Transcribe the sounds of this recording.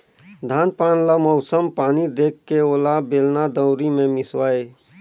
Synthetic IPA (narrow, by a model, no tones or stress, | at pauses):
d̪ʱaːnpaːnlamɔʊsəmpaːnid̪eːkːeoːlabeːlnad̪əʊɾimẽmɪswaːe